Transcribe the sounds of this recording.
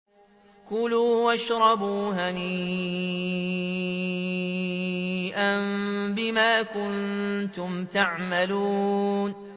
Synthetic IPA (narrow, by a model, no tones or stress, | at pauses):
kʊluːwaʃɾˤɑbuːɦani | ʔanbɪmaːkʊnt̪ʊmt̪aʕmaluːn